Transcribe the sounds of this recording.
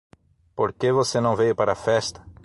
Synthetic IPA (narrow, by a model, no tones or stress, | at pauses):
poɾkevosenɐ̃w̃vejʊpaɾɐfɛst̪ɐ̥